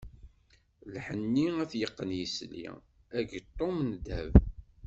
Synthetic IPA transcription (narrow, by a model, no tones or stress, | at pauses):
lħənːiæθjəqːənjislḭ | æɡt̪ˤːomnd̪æ̰v